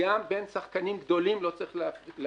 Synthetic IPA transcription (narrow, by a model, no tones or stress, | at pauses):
ambe̞nsaχkanimɡd̪o̞limlo̞t͡saʁiχll